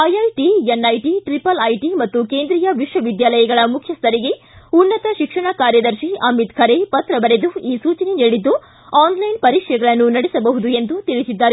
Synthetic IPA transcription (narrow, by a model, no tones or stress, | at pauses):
ɐjɐjʈienːɐjʈiʈɾipɐlɐjʈimɐt̪ːukeːnd̪ɾijɐʋiʂʋɐʋid̪jaːlɐjɐɡɐɭɐmukʰjɐst̪ʰɐɾiɡe̞ | unːɐt̪ɐʃikʂɐɳɐkaːɾjɐd̪ɐɾʃiɐmit̪kʰɐɾepɐt̪ɾɐbɐɾed̪uiːsuːt͡ʃɐneniːɽid̪ːu | aːnlɐjnpɐɾiːkʂɐjɐɡɐɭɐnːunɐɽisɐbɐɦud̪ue̞nd̪ut̪iɭisid̪ːaːɾ